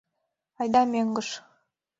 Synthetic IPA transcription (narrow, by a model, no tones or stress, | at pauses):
ɑjd̪ɑmeŋɡɤ̆ʃ